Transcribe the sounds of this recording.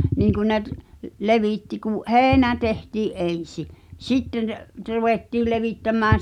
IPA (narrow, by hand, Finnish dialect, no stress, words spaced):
niːŋ kun ne t leʋiˑtːi kuʔ heːnæ tehtiːʔ ʔen̞si sitːen truʋeˑtːiːl leʋiˑtːæmːæːn̞